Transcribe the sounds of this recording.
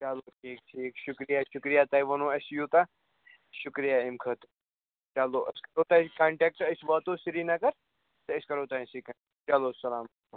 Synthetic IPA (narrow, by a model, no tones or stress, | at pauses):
t͡ʃaloːʈʰiːk̚ʈʰiːkʃʊkɾijaːʃʊkɾijaːt̪ɐiʋɐnõːɐsjuːt̪a | ʃʊkɾijaːimkʰɐt̪u | t͡ʃaloːʔɐskɐɾoːt̪ɐkaːɳʈɛːk̚ʈəsʋɐt̪osiɾiːnɐkɐɾ | t̪ɐɪskɐɾoːt̪ɐĩsikɐ | t͡ʃɐloːsɐlaːm | u